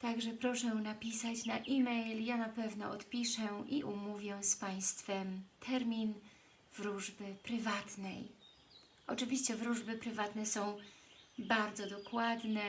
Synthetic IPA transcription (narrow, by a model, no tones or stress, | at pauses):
t̪aɡʐɛpɾɔʂɛnapʲisat͡ɕnaʔimɛjljanapɛvn̪ɔɔt̪pʲiʂɛʔiʔumuvʲjɛspaj̃st̪fɛmt̪ʰɛɾmʲin | vɾuʐbɘpɾɘvat̪nɛj | ɔt͡ʂɘvʲiɕt͡ɕɛvɾuʐbɘpɾɘvat̪nɛsɔ̃w̃baɾd̪zɔd̪ɔkwad̪nɛ